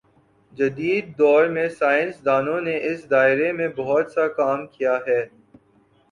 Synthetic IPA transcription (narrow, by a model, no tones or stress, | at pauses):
d͡ʒɐd̪iːd̪̚ːɔːɾmẽsaːɪ̃nsd̪aːnõneʔɪsd̪aːɪɾemẽbɐɦɔt̪sakaːmkijaɦɛː